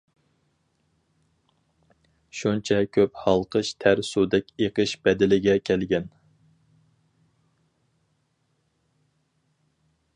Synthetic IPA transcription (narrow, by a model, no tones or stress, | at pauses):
ʃunt͡ʃʰɛkʲʰøphɑlˠqʰəʃt̪ʰæɾsud̪ɛkʲeqəʃbɛd̪ɪlɪɡʲɛkʲʰɛlɡʲɛn